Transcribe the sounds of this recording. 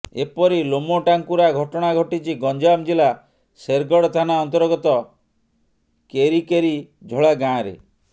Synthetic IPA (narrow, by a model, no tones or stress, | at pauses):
ḛpɔɾilomoʈaŋkuɾaɡʱɔʈɔɽ̃aɡʱɔʈit͡ʃʰiɡɔɲd͡ʒamd͡ʒila | seɾɡɔɽɔt̪ʰanaɔnt̪ɔɾɡɔt̪ɔ | keɾikeɾi | d͡ʒʱɔɭaɡãɾḛ